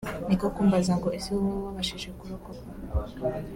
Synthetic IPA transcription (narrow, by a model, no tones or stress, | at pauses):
nikokuːmbazaŋɡoesiwβaβaβaʃiʒekuɾuko